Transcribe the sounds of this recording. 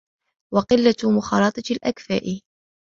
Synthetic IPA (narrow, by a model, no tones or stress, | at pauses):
wɑqɪlːamʊxɑːɾˤɑːt̪ˤɑlʔakfa̰ːʔɪ